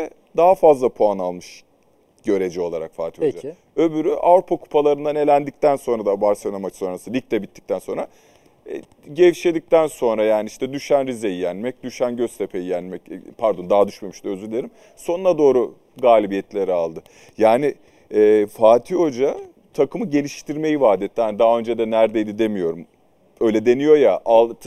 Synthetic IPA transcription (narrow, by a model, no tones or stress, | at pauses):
ɛ | d̪aɦafazlˠapʰoanalˠmɯʃ | ɟ̥ø̞ɾe̞d͡ʒɛo̞lˠaɾakfaːt̪ʰijd͡ʒa | ø̞byɾyʔavɾupʰakʰu̥pʰalˠaɾɯnd̪ane̞lʲænd̪ic̚t̪ʰænso̞nɾad̪abaɾsenamacso̞nɾasɯlʲic̚t̪ɛbit̪ʰːi̥c̚t̪ʰænso̞nɾa̰ | ɟɛvʃed̪ic̚t̪ænso̞nɾajaːniiʃt̪ʰɛd̪yʃænɾizejijænmɛc̚d̪yʃænɟøst̪ʰe̞pʰejijænmɛcpʰæɾd̪o̞nd̪aɦad̪yʃmemiʃd̪øzylʲeɾim | so̞nunad̪o̞ːɾu | ɡaːlʲibijɛt̪lʲe̞ɾialˠd̪ɯ | jaːnɪ | ɛːfaːt̪ʰio̞d͡ʒa | t̪ʰakʰɯmɯɟe̞lʲiʃt̪ʰiɾme̞jivaːd̪ɛt̪ʰːihanid̪aɦaø̞nd͡ʒɛd̪ɛnæɾd̪ejd̪id̪e̞mijo̞ɾum | ø̞jlʲɛd̪e̞nijo̞jaʔalˠʰ